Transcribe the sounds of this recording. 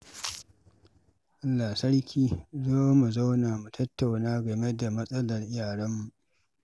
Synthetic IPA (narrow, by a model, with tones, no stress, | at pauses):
ʔa˦lːa˨sɐ˦ɽkʲʰiː˦zoː˦mu˨za˦wnaː˨mu˨tʰɐ˦tːa˨wnaː˦ɡɐ˨me˦da˨mɐ˦sʼɐ˦lɐ˨rʔɪ˦jaː˨ɽɐ˦mːu˨ʔ